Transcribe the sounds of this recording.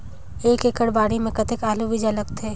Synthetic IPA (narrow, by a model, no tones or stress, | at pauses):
eːkekəɽbaːɽimẽkɐt̪ekaːluʋid͡ʒaləɡt̪ʰeː